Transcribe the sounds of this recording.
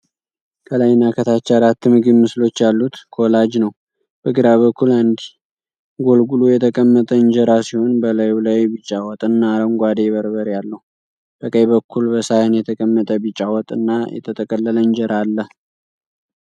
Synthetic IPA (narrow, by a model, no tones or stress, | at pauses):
kʰəlajnakʰət̪ʰat͡ʃːaɾat̪ːɨmɨɡɨnmɨslo̞t͡ʃːjalːut̪kʰolad͡ʒnəw | b̥əɡɨɾaβəkːuland̪i | ɡo̞lɡulujɛt̪ʰəkʼəmːət̪ʼəɨɲd͡ʒəɾasiho̞nbəlajulajbit͡ʃʼːawɔt̪ʼɨnːaɾəŋɡʷad̪eβəɾβəɾjalːəhu | b̥əkʼəjβəkʰːulbəsajənjɛt̪ʰəkʼəmːət̪ʼəbɨt͡ʃʼawɔt̪ʼɨnːajɛ̰t̪ʰət̪ʼəkʼəlːələɲd͡ʒəɾʔalːəh